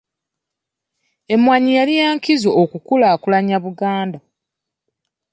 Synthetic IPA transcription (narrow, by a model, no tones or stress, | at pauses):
e̞mwaɲijalijaːŋkizoʔokukulaːkulaɲaβuɡaːnda